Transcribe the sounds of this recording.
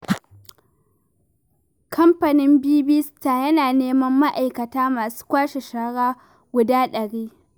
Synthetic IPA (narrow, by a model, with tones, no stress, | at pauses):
kʰɐ˦mpɐ˨nɪ˦mbiː˦bi˦staː˨jɐ˦naː˨neː˦mɐ˦mːa˦ʔa˨jkɐ˨taː˦maː˨su̥ː˦kʷaː˦ʃe˨ʃaː˨˦ɽaː˦ | ɡʷʊ˦daː˦ɗɐ˨ɽiː˦